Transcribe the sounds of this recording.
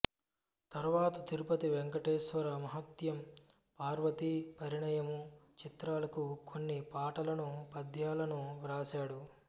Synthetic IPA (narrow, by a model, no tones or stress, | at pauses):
t̪ɐɾʋaːt̪ɐt̪iɾupɐt̪iʋeŋkɐʈeːʃʋɐɾɐmɐɦɐt̪jɐm | paːɾʋɐt̪ipɐɾiɳɐjɐmut͡ʃit̪ɾaːlɐkukʰonːipaːʈɐlɐnupɐd̪ʱjaːlɐnuɾaːt͡ʃaːɽu